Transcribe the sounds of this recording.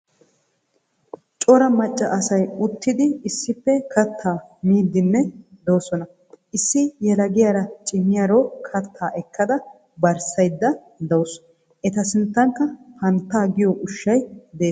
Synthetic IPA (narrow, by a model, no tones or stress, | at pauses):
t͡ʃʼɔɾɐmɐt͡ʃʼːɐʔɐsɐjʊt̪ːɪd̪ɪːsːɪpːɛkɐt̪ʰːaːmiːd̪ːɪnːɛd̪oːsɔnɐ | ʔɪsːɪjɛlɐɡɪjaːɾɐt͡ʃʼɪmːɪjaːɾoːkʰɐt̪ʰːaːʔɛkːɐd̪ɐ | bɐɾsɐjd̪ːɐ | d̪ɐws | ʔɛt̪ɐsɪnt̪ːɐŋkːɐhɐnt̪ːaːɡɪjɔʔʊʃːɐjd̪eː